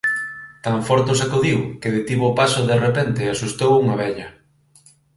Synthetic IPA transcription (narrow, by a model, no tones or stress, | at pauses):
t̪aɱfɔɾt̪osakoðiwkɪðɪt̪iβopasʊðerepɛnt̪ɪasust̪owuŋɐβɛʎɐ